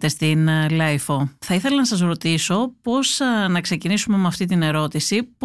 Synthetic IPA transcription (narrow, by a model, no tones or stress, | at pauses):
t̪est̪inlɐjfoθɐiθe̞lɐnɐsɐzɾo̞t̪iso̞po̞znɐkse̞cinisume̞mɐft̪it̪ine̞ɾo̞t̪isip